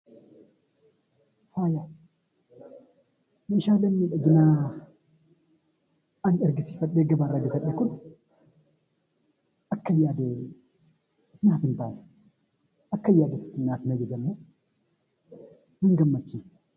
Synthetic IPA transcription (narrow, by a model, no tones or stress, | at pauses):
faːja | nɐɪʃaːlɐmːiːᶑɐɡɪnaː | ɐnɛɾɡɪsi̥fɐᶑːeːɡɐbaːɾːɐɡɐfɐᶑekʊn | ʔɐkːɐjːaːd̪e | naːfɪnbaːj | ɐkːɐjːaːd̪ɪ̥t̪ːɪnːaːfnɐd͡ʒɛzɐmːo | nɪŋɡɐmːɐt͡ʃːiːn